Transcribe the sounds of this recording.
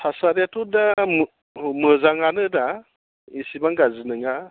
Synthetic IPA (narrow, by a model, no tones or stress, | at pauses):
sʰasaɾjatudam | mɯzaŋanɯda | isimaŋɡazinɯŋa